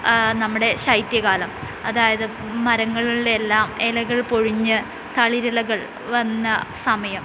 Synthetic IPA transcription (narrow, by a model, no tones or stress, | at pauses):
nɐmːuɽe̞ɕɐjt̪jɐɣaːlɐm | ɐðaːjɐðɨ | mɐɾɐŋːɐɭiɭelːaːmelɐɣɐɭpoɻuɲːɨ | t̪ɐɭiɾilɐɣɐɭ | ʋɐnːɐsɐmɐjɐm